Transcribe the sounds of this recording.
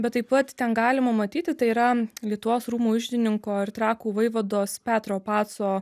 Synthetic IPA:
bʲɛt̪t̪ːɐɪpɐt̪t̪ʲɛnɡɑːlʲɪmɐmɐt̪ʲiːt̪ʲɪt̪ɐɪiɾɐlʲiɛt̪ʊʋoːsɾuːmuːʊʒʲd̪ʲɪnʲɪŋkoːɪɾt̪ɾɑːkuːʋɐɪʋɐd̪oːspʲæːt̪ɾoːpɑːt̪soː

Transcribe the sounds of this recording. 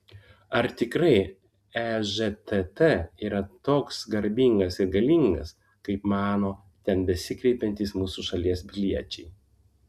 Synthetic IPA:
ɐɾt̪ʲɪkɾɐɪ | ɛʒɛt̪ɛt̪ɛiːɾɐt̪oːksɡɐɾʲbʲiŋɡɐsɪɾɡɐlʲiŋɡɐ̰s | kɐɪpmɑːnoː | t̪ʲɛnbʲɛsʲɪkɾʲɛɪpʲɛnʲt̪ʲiːsmuːsuʃɐlʲiɛsbʲɪlʲiɛt͡ʃʲɛɪ

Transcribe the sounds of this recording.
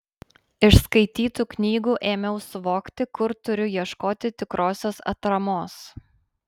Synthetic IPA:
ɪʃskɐɪt̪ʲiːt̪uːknʲiːɡuːʔeːmʲɛʊsʊʋoːkt̪ʲɪkʊɾt̪ʊɾʲʊjiɛʃkoːt̪ʲɪt̪ʲɪkɾoːsʲoːsɐ̰t̪ɾɐmoːs

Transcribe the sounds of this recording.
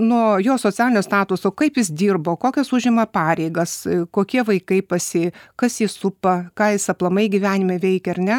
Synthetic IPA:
nuɔjoːsoːt͡sʲæːlʲɪnʲoːst̪ɑːt̪ʊsoːkɐɪpjɪsd̪ʲiːrboːkoːkʲɛsʊʒʲɪmɐpɑːɾʲɛɪɡɐskoːkʲiɛʋɐɪkɐɪpɐsʲɪkɐsjɪsʊpɐkɑːjɪsɐplˠɐmɐɪɡʲɪʋʲæːnʲɪmɐʋʲɛɪkʲɛɐrnʲɛ

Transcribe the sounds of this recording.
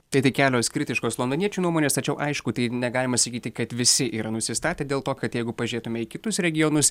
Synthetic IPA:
t̪ɐɪt̪ɐɪkʲæːlʲoːskɾʲɪt̪ʲɪʃkoːslˠond̪oːnʲiɛt͡ʃʲuːnuɔmoːnʲeːst̪ɐt͡ʃʲɛʊʔɐɪʃkʊt̪ɐɪnʲɛɡɑːlʲɪmɐsɐkʲiːt̪ʲɪkɐt̪ʋʲɪsʲɪʔiːɾɐnʊsʲɪst̪ɑːt̪ʲeːd̪ʲeːlˠt̪oːkɐt̪jɛɪɡʊpɐʒʲeːt̪ʊmʲɛɪkʲɪt̪ʊsɾʲɛɡʲɪjonʊs

